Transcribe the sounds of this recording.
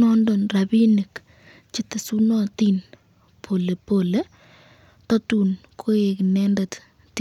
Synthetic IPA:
ɔndonrabi˦nik | t͡ʃite˨su˦nɔ˦tiː˦n | pʰo˨le˨po˨le | tɔ˦tuːnkʰo˦eki˨nɛ˦ndɐt | t

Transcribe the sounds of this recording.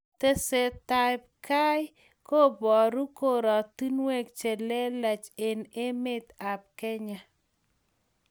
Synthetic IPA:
t̪e˦se˨ta˦ɪp̚ka˦j | ko˦bɔ˨ɾu˦ko˦ɾɔ˨t̪i˦nwe˦k̚t͡ʃe˨le˦lɛ˨t͡ʃɪ˨ne˦mɪ˦t̪a˨p̚kɛ˦ɲa˨

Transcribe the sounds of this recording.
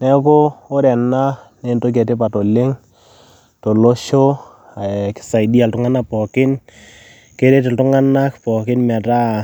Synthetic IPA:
nɛ˦ko˦o˦ɾɛ˨nːa˦ | ne˦˨nto˦k̬e˨te˦pa˨to˨lɪ˦ŋ | to˨lo˦ʃo˦ | a˨kɪ̥˨sa˨jdi˦a˨ltʊ˦ŋa˦na˦pɔ˨kɪ˦n | ke˦ɾe˦t̬ɪ˨ltʊ˦ŋa˦na˦kpɔ˨kɪ˦nmɛ˨ta˦˨

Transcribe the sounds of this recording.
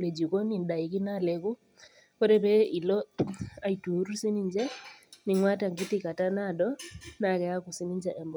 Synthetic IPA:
le˨d͡ʒi˨kɔ˦ni˨ɗa˨i˨ki˦na˦lɛku˦ | kɔ˦ɾɛ˦bɛ˦i˨lɔ˦a˨i˨tu˨ɾusi˦ni˦ɲd͡ʒɛ˦ni˨ŋwa˦ta˨ŋɡi˦ti˨ka˨ta˦na˦˨dɔ˦na˨kɛ˨ja˦ku˨si˦ni˦ɲd͡ʒɛ˨ʔɛ˨mbɔ˨

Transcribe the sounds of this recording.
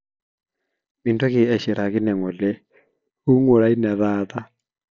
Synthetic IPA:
mi˨nto˦kɪ˨ɛ˨ʃi˨ɾa˨kɪ˦nɛ˨ŋo˨lɛ˦ | u˦ŋo˨ɾa˦i˦nɛ˨ðaː˦ða˦

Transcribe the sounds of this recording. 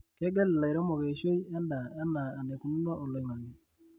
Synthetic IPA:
ke˦ɡɛ˦lla˨jɾɔ˦mɔ˨ke˨ʃo˦jɛ˦nda˨ɛ˦na˨a˨ne˨ku˦nu˦no˦ʔo˨lɔ˨˦ŋa˨ŋi˦

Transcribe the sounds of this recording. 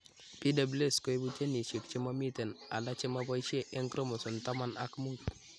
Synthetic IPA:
pi˦da˨ble˦sko˦i˦bu˦t͡ʃe˦ni˨t͡ʃi˨kt͡ʃe˦mami˦tɛ˨na̰˨nda˦t͡ʃɛ˦mabɔ˦iʃe˦ʔe˦ŋkɾo˦mɔ˨sɔ˨nta˦ma˦na̰˦kmu˦t̚

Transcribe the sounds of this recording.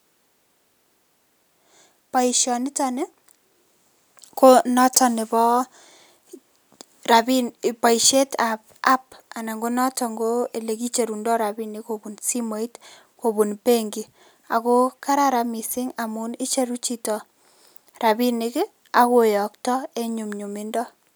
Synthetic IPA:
pa˨i˨ʃjɔ˨nɪ˦ta˦nɪ˦ | konɔ˦tɔ˨nɪ˨bɔ˦ | ɾa˨bipa˨i˨ʃe˦ta˨p̚ | a˦p̚a˨na˨ŋɡo˦nɔ˦tɔ˨ŋɡo˦e˨le˨ki˦t͡ʃe˨ɾu˨ndɔ˦ɾa˨bi˦ni˨ko˨bu˨nsi˦mwa˦i˦t | ko˨bu˨npe˦ŋɡi˨ | a̰˨ko˦ka˦ɾa˨ɾa˨mi˨sɪ˦ŋa˨mu˦nɪ˦t͡ʃe˦ɾu˦t͡ʃi˦tɔ˨ | ra˨bi˦nɪ˦k | a˨ko˨jɔ˨ktɔ˦e˦ɲu˨mɲu˨mɪ˦ndɔ˦

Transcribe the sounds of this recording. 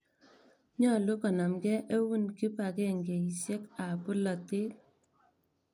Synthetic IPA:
ɲɔ˦˨lu˦kɔ˨na˨mɡɛ˦ʔe˦wu˦nki˦pa˨kɛ˦ŋɡe˨i˨se˦ka˨pu˦lɔ˨te˦

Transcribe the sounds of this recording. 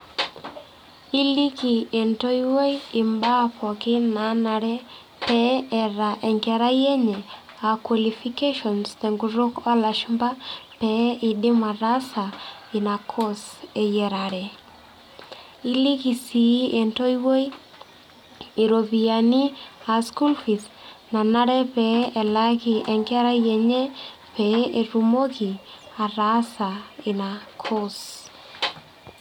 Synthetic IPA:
i˦li˦ki˨e˨nto˦iwo˦ii˨mba˦pɔ˨kɪ˦na˦na˨ɾɛ˦ | pɛɛ˨ɾa˨ʔɛ˨ŋkɛ˨ɾa˦jɛ˦ɲɛ˨ | a˨kwa˨lifi˦ke˦ʃɔ˨nste˨ŋɡuɾo˦ka˦la˨ʃu˦mba˦pɛi˨dɪ˦ma˨ra˦sa˨i˨na˨kʰɔ˦se˨jɛ˨ɾa˨ɾɛ˨ | i˦li˦ki˨si˨˦ɛ˨nto˦jwo˦j | ɪ˨ɾo˨pi˨a˨ni˦a˨sku˦lfi˨θna˨na˦ɾɛ˦pɛʔɛ˨la˦kɪ˨ʔɛ˨ŋkɾa˦jɛ˨ɲɛ˦ | pɛe˨ru˨mo˦ki˨a˨ra˦sa˨ɪ˨na˨kʰo˦s

